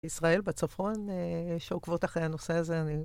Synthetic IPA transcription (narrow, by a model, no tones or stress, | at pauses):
isʁae̞lbet͡sofʁoneʃeokvotaχehano̞seaze̞ani